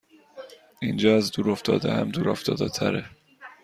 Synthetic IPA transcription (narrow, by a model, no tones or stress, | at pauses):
ind͡ʒɒːæzd̪uːɾoft̪ʰɒ̰ːd̪æhæmd̪uːɾoft̪ɒːd̪et̪ʰæ̰ɾe